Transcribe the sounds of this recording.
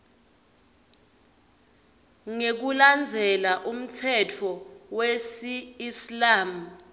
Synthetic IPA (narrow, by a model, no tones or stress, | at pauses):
ŋek̬uland͡zʱɛlaʔum̩tʰɛtʰɔwesiːslaːmu